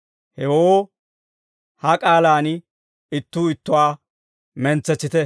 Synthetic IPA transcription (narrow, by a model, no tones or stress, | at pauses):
hɛwoː | hɐkʼaːlaːn | ɪt̪ːuːɪt̪ːʊwaː | mɛnt͡sːɛt͡sːɪt̪ɛ